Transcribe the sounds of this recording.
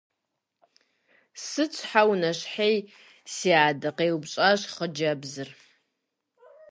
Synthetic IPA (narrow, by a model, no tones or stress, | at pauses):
sɨt͡sʷʰʼħawnɐɕħej | siːʕadɨqeːwbɕʼaɕχəd͡ʒɐbzɨr